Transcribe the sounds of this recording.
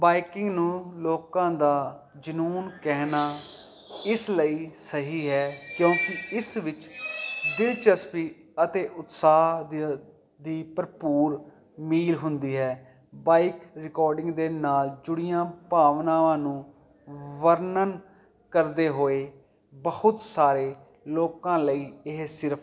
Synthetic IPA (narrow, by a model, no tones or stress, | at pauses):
baːɪkɪ̃ŋɡnũːloːkãːd̪aː | d͡ʒənuːnkɛːnaː | ɪsləiːsəɦiːɦɛːkjõːkɪɪsʋɪt͡ʃd̪ɪlt͡ʃəspiː | ət̪eːʔʊt̪saːɦ̪ | d̪iːpəɾpuːɾ | miːlɦʊnd̪iːɦɛː | baːɪkɾɪkɔːɾɖɪ̃ŋɡd̪eːnaːld͡ʒʊɽijãːpaːʋnãːʋãːnũː | ʋəɾnən | kəɾd̪eːɦoːeː | bəhʊt̪saːɾeː | loːkãːləiːɪɦsɪɾpʰ